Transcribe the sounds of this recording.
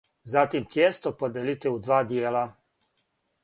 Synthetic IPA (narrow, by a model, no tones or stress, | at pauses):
zat̪imt̪jeːst̪opod̪elit̪eud̪ʋaːd̪jeːla